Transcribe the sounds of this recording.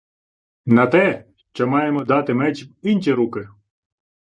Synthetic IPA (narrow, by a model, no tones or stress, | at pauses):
nɐt̪ɛʃt͡ʃɔmɑjemɔd̪ɑt̪ɪmɛt͡ʃipinʲt͡ʃʲiɾukɪ